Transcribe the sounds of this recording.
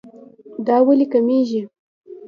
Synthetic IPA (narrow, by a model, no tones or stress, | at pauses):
d̪ɑwalikameʒi